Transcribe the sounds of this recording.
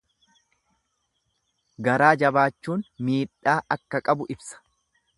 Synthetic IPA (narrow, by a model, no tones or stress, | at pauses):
ɡɐɾaːd͡ʒɐbaːt͡ʃːuːnmiːᶑaːʔɐkːɐkʼɐbʊʔɪbsɐ̥